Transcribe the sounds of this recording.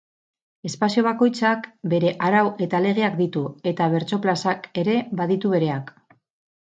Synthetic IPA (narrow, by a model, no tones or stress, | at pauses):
e̞spasio̞β̞ako̞jt͡sakbe̞ɾe̞ʔaɾawe̞t̪ale̞ɣ̞e̞akd̪it̪ue̞t̪aβe̞ɾt͡so̞plasake̞ɾe̞βaðit̪uβe̞ɾe̞ak